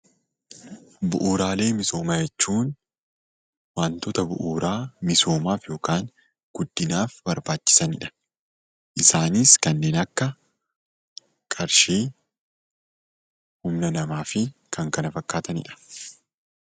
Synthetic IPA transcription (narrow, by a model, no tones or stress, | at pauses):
bʊʔuːɾaːle̞ːmɪso̞ːmaːd͡ʒɛt͡ʃːuːn | waːnt̪ɔt̪ɐbʊ̰ʔuːɾaːmɪso̞ːmaːfjo̞ːkaːŋ | ɡ̥ʊd̪ːɪnaːfbɐɾbaːt͡ʃːɪ̥sɐnɪᶑɐ̥ | ʔɪsaːnɪskɐnːeːnɐkːɐ | kʼɐɾʃiː | hʊmnɐnɐmaːfɪkʰɐŋkɐnɐfɐkːaːt̪ɐnɪ̰ᶑɐ̥